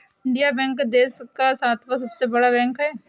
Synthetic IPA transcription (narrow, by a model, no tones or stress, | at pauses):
ɪɳɖijaːbɛ̃ːŋkd̪eːskaːsaːt̪ʰʋas̬əbseːbəɽaːbɛ̃ːŋkɦɛː